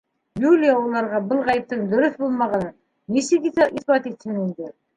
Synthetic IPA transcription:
julʲijaulˠɑɾʁɑbɤlˠʁɑjɘp̚t̪ɤŋd̪ɵ̆ɾɵθbulˠmɑʁɑnɤ | nisɘkiʔiθbɑt̪it̪hɘnind̪ɘ

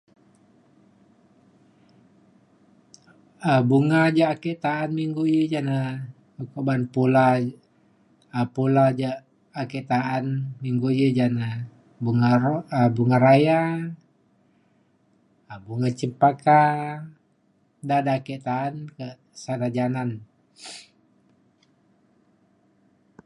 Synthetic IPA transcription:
əbuŋad͡ʒaːkɛʔt̪aːnmiŋɡujəd͡ʒana | kobanpula | əpulad͡ʒaʔː | kɛʔt̪aʔanmiŋɡud͡ʒəd͡ʒana | buŋaɾəbuŋaɾaja | əbuŋat͡ʃəpaka | dadaːkɛʔt̪aːnkəʔ | sanad͡ʒanan

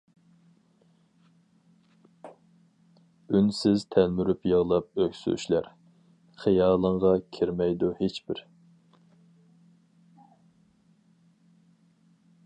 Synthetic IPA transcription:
ynsɪzt̪ʰælmyɾypjəʁlˠɑp̚økʲsy̰y̰ʃlæɾ | χijɑːlˠəɴʁɑkʲʰɪɾmɛjd̪uhet͡ʃbɪɾ

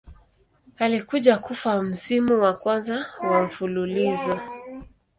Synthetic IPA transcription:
alikuʄakufam̩simuwakwanzawam̩fululizɔ

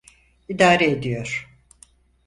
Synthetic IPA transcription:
id̪aːɾeed̪ijo̞ɾ̥

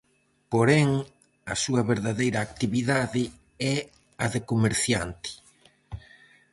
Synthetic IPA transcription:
poɾɛŋ | ɐ̰suɐβeɾðaðejɾɐːk̚t̪iβiðaðɪ | ɛ | ɐðekomeɾθja̰nt̪ɪ̥

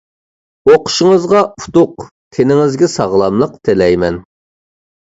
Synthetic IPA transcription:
oqʰʊ̥ʃəŋəzʁɑut̪ʊq | t̪ʲʰenɪŋɪzɡʲɛsɑʁlˠɑmlˠəq̚t̪ʰelɛjmɛn

